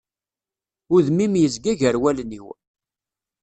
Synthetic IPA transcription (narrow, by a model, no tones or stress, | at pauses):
ʊðmimjəzɡæʝəɾwælniw